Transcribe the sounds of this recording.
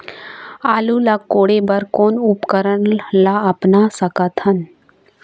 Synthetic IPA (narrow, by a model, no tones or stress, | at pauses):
aːlulakoːɽebɐɾkoːnʊpkəɾənlaɐpnasəkət̪hən